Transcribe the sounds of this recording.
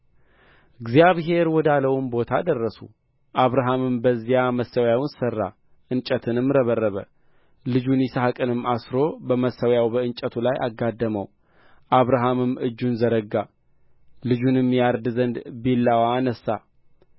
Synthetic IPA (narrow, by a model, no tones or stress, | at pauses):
ɨɡzijaβɦe̞ɾwɔd̪aləwumbo̞t̪ʰa̰d̪ərːəsṵ | ʔaβɾaɦamɨmbəzːijaməsːəwjawnsərːa̰ | ʔɨnt͡ʃʼət̪ʰɨnɨmːɾəβərːəβə | lɨd͡ʒunjisaɦakʼɨnɨmːasɾo̞bəməsːəwjawbəɨnt͡ʃʼət̪ʰulajʔa̰ɡːad̪ːəməw | ʔaβɾaɦamɨmɨd͡ʒːunzəɾəɡːa | lɨd͡ʒunɨmːjaɾd̪zənd̪belːawanəsːa